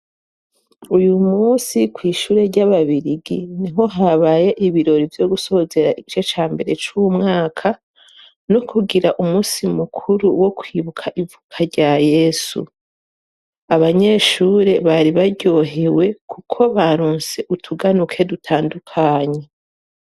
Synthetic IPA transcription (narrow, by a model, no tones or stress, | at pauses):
ujumuːsikwiːʃuːɾe̞ɾɟaβaβiɾiɡiniɦo̞ɦaβaːje̞ʔiβiɾo̞ɾivjo̞ɡuso̞oze̞ɾaiit͡ʃo̞t͡ʃaːmbe̞ɾe̞t͡ʃumŋaːkʰa | nokʰuɡiɾaʔumuːsimukʰuɾuwo̞kwiːβukʰaʔivukʰaɾɟaːje̞ːsṵ | aβaɲe̞ːʃuːɾe̞βaɾiβaɾɟo̞ːɦe̞we̞kʰukʰo̞βaɾuːnse̞ʔutʰuɡanukʰe̞dutʰaːndukʰaɲe